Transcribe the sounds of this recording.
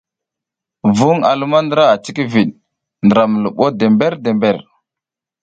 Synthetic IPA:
vu˦ŋa̰˨lu˦ma˦ndə˦ɾa˦a˨t͡ʃi˦ki˦vi˨ɗ | ndə˨ɾa˨mə˨lə˨ɓo˦de˨mbe˦ɾde˨mbe˨ɾ

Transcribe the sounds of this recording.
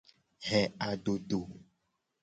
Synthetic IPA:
ɦɛ˨a˨ɖo˨ɖo˨

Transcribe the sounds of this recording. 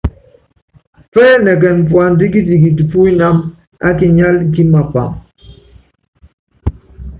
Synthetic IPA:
fɛː˦nɛ˨k̬ɛ˨n˨pwa˨n̩˦di˦k̬i˦di˨ki˨ti˨pu˦i˦na˦m | a˦ki˨ɲa˦lŋ̩˨k̬i˦ma˨pa̰˨ŋ

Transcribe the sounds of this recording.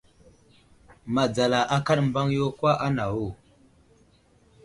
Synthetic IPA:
ma˨d͡za˨la˨ʔa˦ka˦ɗm˦ba˦ŋjo˦kwa˦ʔa˦na˨wo˦˨

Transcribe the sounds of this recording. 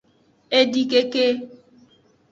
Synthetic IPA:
e˦di˦ke˦ke˦

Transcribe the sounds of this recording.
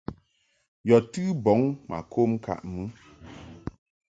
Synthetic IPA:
jɔ˨tɨ˦bɔ˨˦ŋma̰˨kʰo˦m˦ka̰˨ʔmɨ˦

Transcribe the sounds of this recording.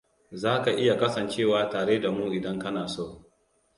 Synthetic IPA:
zaː˦ka˨ʔɪ˦ja˨kɐ˦sɐ˨nt͡ʃeː˦˨waː˨taː˨ɽeː˦da˨muː˦ʔɪ˨dɐ˦ŋkɐ˦naː˨soː˦˨

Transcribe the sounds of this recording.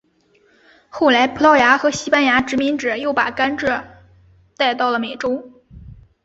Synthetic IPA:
xo˥˩ʊla˧˥ɪpʰu˧˥lɑ˥ʊja˧˥xɤ˧˥ɕi˥pa˥nja˧˥ʈ͡ʂɻ̩˧˥mi˧˥ŋʈ͡ʂɻ̩˨˩jo˥˩ʊpa̰˨˩ka˥nʈ͡ʂɻ̩˥˩ | t̪a˥˧ɪt̪ɑ˥˩ʊlə˩me˨˩ɪʈ͡ʂo˥ʊ

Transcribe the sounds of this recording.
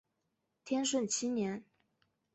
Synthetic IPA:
t̪ʰjɛ˥nʂ̬wə˥˩nt͡ɕʰi˥njɛ˧˥n

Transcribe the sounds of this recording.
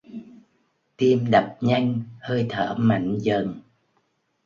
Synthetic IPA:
t̪i˧əmɗə˨˩p̚ɲa˧jŋ̟həː˧jt̪ʰəː˧˩˦ma̰˧˩jŋ̟zə˨˩n

